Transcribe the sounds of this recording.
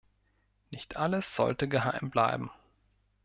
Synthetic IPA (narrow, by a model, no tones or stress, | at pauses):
nɪçtʰʔaləsz̥ɔ̰ltəɡəɦaɪmbla̰ɪbm̩